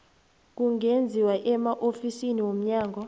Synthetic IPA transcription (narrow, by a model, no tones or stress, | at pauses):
k̬uŋʱend͡zʱiwaʔɛmaʔofisiniwom̩ɲaːŋɡʱɔ